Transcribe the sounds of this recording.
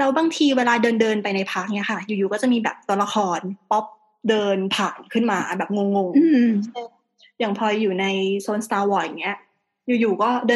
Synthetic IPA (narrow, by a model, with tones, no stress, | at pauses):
lɛː˦˥wbaː˧ŋt̪ʰiː˧weː˧laː˧dɤː˧ndɤː˧npa˧jna˧jpʰaː˦˥˩k̚ni˦˥ɐkʰa˥˩juː˨˩juː˨˩kɔː˥˩t͡ɕa˨˩miː˧bɛ̰ː˨˩p̚t̪u˧la˧kʰɔː˧npɔ˦˥p̚ | dɤː˧npʰaː˨˩nkʰɯ˥˩nmaː˧bɛː˨˩p̚ŋo˧ŋːo˧ŋɯː˧˩ | jaː˨˩ŋpʰɔː˧juː˨˩na˧jsoː˧nst̪aː˧wɔː˧˩ja˨˩ŋːi˦˥ɐ | juː˨˩juː˨˩kɔː˥˩dɤː˧